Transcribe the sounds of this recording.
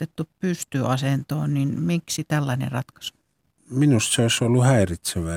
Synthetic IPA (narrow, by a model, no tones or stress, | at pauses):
t̪et̪ːuppyst̪yɑsent̪o̰ːnninmiksit̪ælːɑinḛrɑt̪kɑ̥s | minust̪seoˑisolːuhæirit̪seʋæˑ